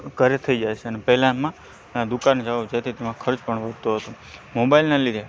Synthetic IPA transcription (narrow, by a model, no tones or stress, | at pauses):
kəɾet̪ʰəid͡ʒajt͡ʃʰeənepɛɦlãmã | d̪ukand͡ʒaʋad͡ʒajt̪ʰit̪emãkʰəɾd͡ʒpəɳʋəd̪̚ʱt̪oɦət̪õ | mobailnalid̪ʱe